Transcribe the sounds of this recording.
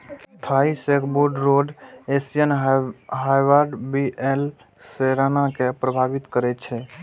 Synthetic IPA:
t̪ʰaisekboɾɖɾoɖesijənɦajʋaɾɖbiʔel | seɾanakepɾəbʱabit̪kəɾɛt̪̚t͡ʃʰɛ

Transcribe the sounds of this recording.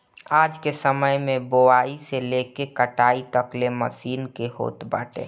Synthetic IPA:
aːd͡ʒkesəməjmẽboaːiselekekəʈaːit̪əklemə̰siːnkeɦo̰ːt̪ba̰ːʈḛː

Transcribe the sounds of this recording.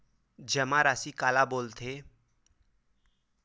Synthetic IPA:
d͡ʒəmãɾaːsikaːlaboːlt̪ʰeː

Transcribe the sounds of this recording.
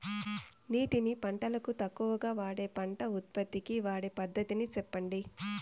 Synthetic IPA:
niːʈinipɐɳʈɐlɐkut̪ɐkːuʋɐɡaːʋaːɽeːpɐɳʈɐut̪̚pɐd̪ːikiʋaːɽeːpɐd̪ːɐt̪init͡ʃɛpːɐɳɖi

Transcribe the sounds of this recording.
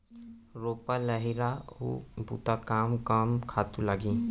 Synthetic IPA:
ɾoːpaləɦiɾaṵbṵt̪akaːmkamkʰaːt̪ulaɡĩ

